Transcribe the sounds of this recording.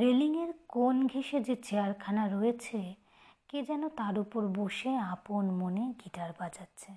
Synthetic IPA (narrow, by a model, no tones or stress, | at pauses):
ɾeliŋeɾkonɡʱeʃed͡ʑet͡ɕeaɾkʰanaɾojet͡ɕʰe | ked͡ʑɛnot̪aɾupoɾboʃeaponmoneɡiʈaɾbad͡ʑatːɕʰe